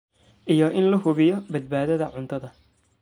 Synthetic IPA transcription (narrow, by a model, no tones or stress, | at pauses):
ʔijɔʔɪnlɐɦʊβɪjɔbɐd̪̚baːðɐðɐʕʊnt̪ʰɐðɐ